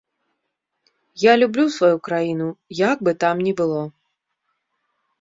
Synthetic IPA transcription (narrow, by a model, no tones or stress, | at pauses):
jalʲublʲusvajukɾajinujaɡ̚bɨt̪amnʲɛbɨlˠɔ